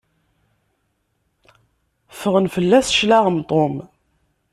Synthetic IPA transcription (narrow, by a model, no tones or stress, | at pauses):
fəʁənfəlːæsʃlaʁəmt̪ˤːom